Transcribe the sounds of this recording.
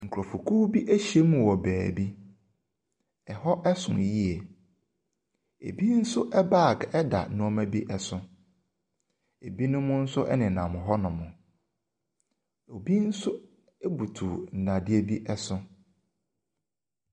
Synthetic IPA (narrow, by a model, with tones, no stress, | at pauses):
ŋ̩˨kʰɾɔ˨fu˨kʰu˦bi˦ʔæ˦ɕi˨e˦mũ˨wɔ˨bæː˨bi˦ | ɛ˨hɔ˦ʔɛ˦sʊ̰̃˨ji˦ɛ˨ | ḛ˨bi˦n̩˦sʊ˦ʔɛ˦ba˦˨kɛ˦da̰˨˦nʊ̃˦ɔ˦mæ̃˦bi˦ʔɛ˦sʊ̃˨ | e˨bi˦nʊ̃˦mʊ̃˦n̩˦sʊ˦ʔɛ̰˦nɪ̃˨nã˨mʊ̃˨ɦɔ˦nʊ̃˨mʊ̃˨ | o˨bi˦n̩˦sʊ˦ | ɛ˦bu˨tʰu˨n̩˨dã˨dɪ˦e˦bi˦ʔɛ˦sʊ̃˦